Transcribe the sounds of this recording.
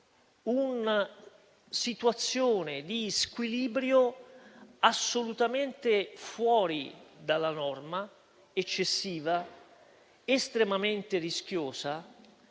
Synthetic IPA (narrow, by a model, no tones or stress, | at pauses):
una | sit̪uat̪sːjoːned̪iskwiliːbɾjo | asːolut̪ament̪ɪfwɔːɾid̪alːanɔrma | et͡ʃːesːiːva | ɪst̪ɾemament̪ɪrisk̟joːsa